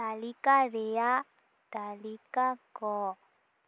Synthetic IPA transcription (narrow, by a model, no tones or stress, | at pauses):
alikarea | d̪̥alikaɡɔ